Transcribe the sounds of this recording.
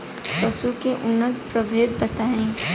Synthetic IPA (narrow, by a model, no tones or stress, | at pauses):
pəsukeʔʊnːət̪̚pɾəbʱeːd̪̚bɐt̪aːẽː